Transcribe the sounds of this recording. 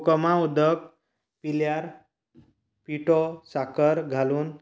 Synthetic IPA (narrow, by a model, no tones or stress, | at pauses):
kəmãud̪ək̚ | piljaɾ | piʈɔsakəɾɡʱaluːn